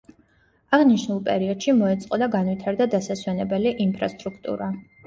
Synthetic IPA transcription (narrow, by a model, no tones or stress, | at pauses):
aʁniʃnulˠpʼɛɾiɔd̪̥ʃimɔɛt̪sʼqʼɔd̪aɡanwit̪ʰaɾd̪ad̪asaswɛnɛbɛliʔinpʰɾast̪ʼɾukʰt̪ʼṵɾa